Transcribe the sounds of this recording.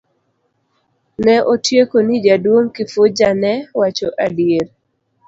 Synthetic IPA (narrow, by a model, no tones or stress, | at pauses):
nɛʔotjekonid͡ʒadwoŋkɪfʊd͡ʒanɛwat͡ʃɔʔadjeɾ